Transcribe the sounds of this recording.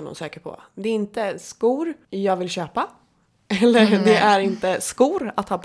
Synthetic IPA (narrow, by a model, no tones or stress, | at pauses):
nʊ̰nsøːkəɾpʰɔ̰ | d̪ɛɪnt̪əskuːɾjɑːɡvɪlɕøːpa | ɛlːəd̪ɛʔæɾɪnt̪əskuːɾat̪hɑːpʰ